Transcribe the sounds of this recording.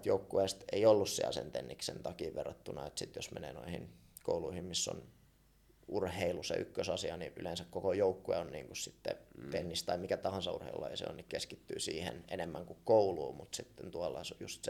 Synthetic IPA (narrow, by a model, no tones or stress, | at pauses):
t̪joukːuest̪eiolːussiæ̰lsḛnt̪enːiksent̪ɑkiːʋʋerːɑt̪ːunɑet̪sit̪josmenḛːno̰ihḭnko̰uluihimmisːo̰n | urheilusḛʔy̰kːøsɑsiɑniʔylensækkokojoukːueonnḭːŋkussit̪ːḛt̪enːist̪ɑimikæt̪ɑhɑnsɑurhḛilṵlːɑeisḛo̰nnikkeskit̪ːy̰ːsiːhḛnenemːæŋkukkouluːmut̪sit̪ːent̪uɑlːɑsjust̪s